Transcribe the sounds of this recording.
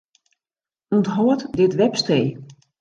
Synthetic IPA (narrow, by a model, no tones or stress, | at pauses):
untɦɔətdɪtʋɛpstej